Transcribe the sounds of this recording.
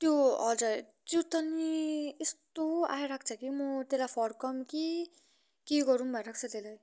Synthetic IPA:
t̪joʌ̰d͡zʌɾ | t̪jot̪ʌniest̪oa̰jɾakʰt͡sʰʌkimʌt̪elapʰʌɾkʌmki | keɡʌɾunbʱʌeɾakʰt͡sʰʌt̪elaj

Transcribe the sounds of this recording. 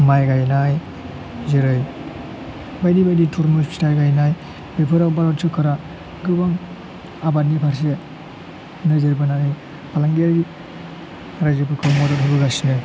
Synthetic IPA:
majɡajnaj | zeɾɯj | bajdibajditʰuɾmɯspʰi̥tajɡajnaj | bepʰɯɾakbaɾɔtt͡ʃɯkʰɯɾa | ɡɯbaŋ | abat̚nipʰaɾs̬e | nɯzeɾbananɯ | pʰalaŋɡeaɡi | ɾajzɯpʰɯkʰɯwmɔdatɦʰabɯɡasinɯ

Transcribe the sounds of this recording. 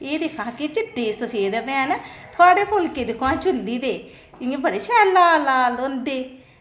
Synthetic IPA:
eːd̪eːkʰãːket͡ʃɪd̪eːsəpʰeːd̪ebẽːanət̪ʰʊaːɽeːkoːlkeːd̪ɪkʰãːt͡ʃʊlːiːd̪eː | ɪŋɡeːbəɽeːt͡ʃʰɛːlaːlaːlõːnd̪eː

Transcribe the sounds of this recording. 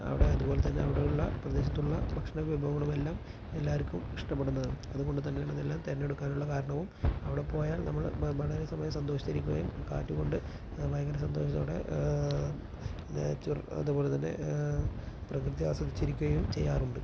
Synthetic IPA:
ɐ̰ʋiɽe̞ɐðuboːle̞t̪ɐnːe̞ɐʋiɽejuɭːɐprɐd̪e̞ːɕɐt̪ːuɭːɐbʱɐkʂɐɳɐʋibʱɐːbɐɳɐmelːaːm | elːaːʋɐɾikʲːumiʂʈɐpːe̞ɽunːɐðɨɐðuɣo̞ɳɖɨt̪ɐnːeɳɐðelːaːmt̪ɐɾɐnːe̞ɽukːaːnuɭːɐkaːɾɐɳɐʋumɐʋiɽe̞po̞ːjaːlnɐmːɐɭʋɐɭɐɾesɐmɐjɐsɐnd̪o̞ːɕi̥t̪ɐɾikʲːuɣɐ̰jumka̰ːtːuɣo̞ɳɖɨ | ʋɐjɐɡɐɾɐsɐnd̪o̞ːɕɐt̪ːoːɽe̞̰ | t͡ɕurɐ̰ðubo̞ːle̞t̪ɐnːe̞̰ | prɐkrɨt̪ija̰ːsɐðit͡ɕːiɾikʲːuɣɐjumt͡ɕejːaːruɳɖɨ

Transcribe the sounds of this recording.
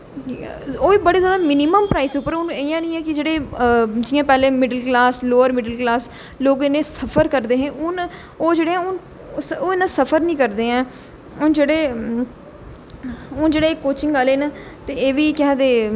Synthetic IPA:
oːiːbəɽeːzjaːd̪aːmɪniːməmpɾaːiːsʊpːəɾʊnejãːnĩːɛːkɪd͡ʒeːɽeːd͡ʒɪːãːpɛːleːmɪɖəlklaːsloːəɾmɪɖəlklaːs | loːɡɪnːẽːsəpʰəɾkəɾd̪eːɦɛ̃ːʔʊn | oːd͡ʒeːɽeːɛ̃ːʊn | oːɪnãsəpʰəɾnĩːkəɾd̪eːɛ̃ː | ʊnd͡ʒeːɽeː | ʊnd͡ʒeːɽeːkːoːt͡ʃɪ̃ŋɡaːleːnãː | t̪eːeːʋiːkɪaːd̪eː

